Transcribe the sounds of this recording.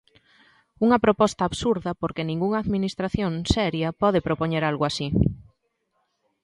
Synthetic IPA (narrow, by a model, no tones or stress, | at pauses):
uŋɐpɾopɔst̪ɐːβsuɾðɐpoɾkenĩŋɡuŋaːðminist̪ɾaθjonsɛɾjɐpɔðepɾopoɲeɾalɣoasi